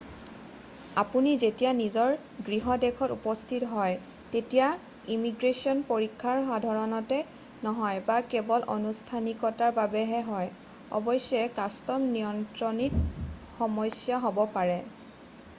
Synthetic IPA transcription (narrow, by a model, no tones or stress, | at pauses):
apunizetijanizɔɹ | ɡɹiɦɔdɛkʰɔtupɔstʰitɦɔj | tetija | imiɡɹesiɔnpoɹikʰːaɹɦadʱɔɹɔnɔtɛ | nɔɦɔjbakɛbɔlʔɔnustʰanikɔtaɹbabɛɦɛɦɔj | ɔ̰bɔjsɔɛkastɔmnijɔntɹɔnitxɔmɔjsjaɦobɔpaɹɛ